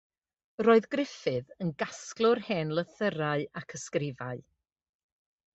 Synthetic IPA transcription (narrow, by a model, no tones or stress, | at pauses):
roːɨðɡrɪfɨðənɡasklˠʊrhɛːnlˠəθəɾaɨakʰəskrɪvaɨ